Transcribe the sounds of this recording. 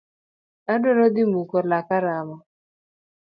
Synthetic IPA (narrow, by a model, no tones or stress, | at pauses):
adɔɾɔd̪imukɔɾlakaɾama